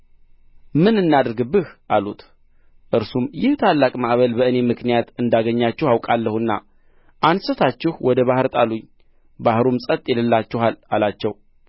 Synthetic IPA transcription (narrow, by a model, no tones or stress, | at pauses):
mɨnɨnːad̪ɨɾɡɨbːɨhʔalut̪ | ʔɨɾsumjɪht̪ʰalːakʼmaʔβəlbəɨne̞mɨknijat̪ɨnd̪aɡəɲːat͡ʃːɛhawkʼalːəhɨnːa̰ | ʔansət̪ʰat͡ʃːɪhwʔɔd̪əβahɨɾt̪ʼaluɲː | bahɾumsʼət̪ʼjɛləlːat͡ʃːɛhalalat͡ʃːɛw